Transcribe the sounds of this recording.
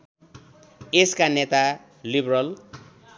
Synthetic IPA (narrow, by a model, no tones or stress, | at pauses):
eskanet̪a | librʌl